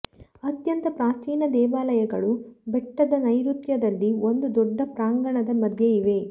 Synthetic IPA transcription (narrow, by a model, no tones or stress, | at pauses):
ɐt̪jɐnt̪ɐpɾaːt͡ʃiːnɐd̪ɛːʋaːlɐjɐɡɐɭubɛʈːɐd̪ɐnɐjɾut̪jɐd̪ɐlːio̞nd̪ud̪ɔɖːɐpɾaːŋɡɐɳɐd̪ɐmɐd̪ʱjɐiʋe̞